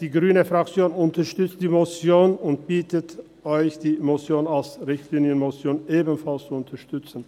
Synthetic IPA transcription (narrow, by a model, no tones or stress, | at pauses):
d̥iːɡʁyːnəfʁ̥akt͡sjoːnʊntɐʃtʏt͡std̥iːmot͡sjoːnʊnt̚b̥iːtət | ʔɔʏçd̥iːmot͡sjoːnalsʁɪçtliːnjənmot͡sjoːnʔeːbn̩falst͡suʊntʰɐʃtʏt͡sn̩